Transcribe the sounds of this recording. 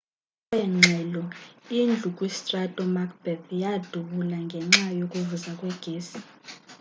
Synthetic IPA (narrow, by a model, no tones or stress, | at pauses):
jɛŋ͡ǁʱɛlɔind͡ɮʱukʼwistʼratʼɔmakʰb̥ɛdjad̥ʱuɓulaŋɡʱɛŋ͡ǁajokʼuvuzakʼwɛɡ̥ʱeːsi̥